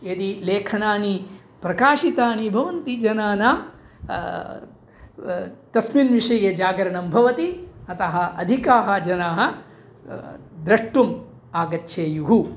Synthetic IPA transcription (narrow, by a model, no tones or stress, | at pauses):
ed̪ileːkʰɐnaːni | pɾɐkaːʂit̪aːnibʱɐʋɐnt̪id͡ʒɐnaːnaː | t̪ɐsminʋiʂɐjed͡ʒaːɡɐɾɐɳɐmbʱɐʋɐt̪iɐt̪ɐɦɐ̆ʔɐ̰d̪ʱikaːɦɐ̆d͡ʒɐnaːɦɐ̆ | d̪ɾɐʂʈum | aːɡɐtːʃʰeːjuɦu